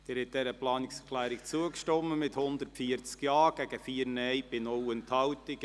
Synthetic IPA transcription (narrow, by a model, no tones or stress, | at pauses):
d̥ɪɾhɛtt̚d̥̪ɛɾəplɑːnɪksɛɾkʰlæːɾɪk̚t͡suəkʃtɔmːəmɪthʊnd̪ərtfiəɾt͡skjɑːɡ̥æɡ̥əfiːəɾnɛjb̥ɪnʊwɛnthɑwtɪk